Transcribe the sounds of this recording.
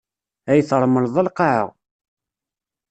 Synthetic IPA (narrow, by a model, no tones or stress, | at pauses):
æjθɾˤməlðˤælqɑʕə̰ʁ